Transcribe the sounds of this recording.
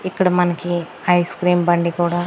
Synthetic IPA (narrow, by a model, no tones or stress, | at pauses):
ikːɐɽɐmɐnɐki | ɐjskɾiːmbɐɳɖikuːɽaː